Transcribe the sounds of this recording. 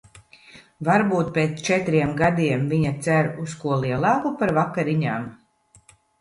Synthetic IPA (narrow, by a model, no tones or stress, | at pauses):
vaɾbuːt̪̚peːt̪st͡ʃɛt̪ɾiɛmɡad̪iɛmviɲat̪sæɾuskuɔlˠiɛlˠɑːkupaɾvakːaɾiɲaːm